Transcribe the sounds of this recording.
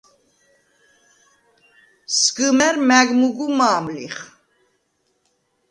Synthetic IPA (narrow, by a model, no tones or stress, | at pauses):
sɡɨmɛɾmɛɡmuɡumaːmliχ